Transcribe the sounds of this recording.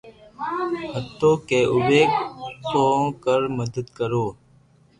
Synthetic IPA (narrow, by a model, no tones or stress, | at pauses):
ɦət̪ːoːkeːʔʊʋeːk̚kõːkəɾməd̪əd̪kəɾoː